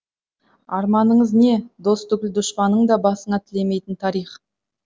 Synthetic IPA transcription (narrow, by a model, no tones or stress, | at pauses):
ɑɾmɑnəɴəzne̞d̪o̞st̪ʊɡʲɪld̪ʊʃpɑnːəɴd̪ɑbɑsəɴɑt̪ʰɪle̞me̞jt̪ɪnt̪ʰɑɾijχ